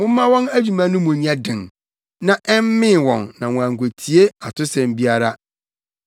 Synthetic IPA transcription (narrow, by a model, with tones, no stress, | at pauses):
mʊ̃˦mã˦wɔ̃˦næ˦d͡ʑᶣu˨mã˦nʊ̃˦mʊ̃˨ɲã˦dɪ̃˨n | nã˨ʔɛ˦m˦mɪ̃˦˨wɔ̃˨nːã˨wɔ̃˨æ̃˨ŋ̩˨kʷʰo˨tʰi˨e˦a˨tʊ˦sɛ̃˨m˦bi˦a˦ɾa˦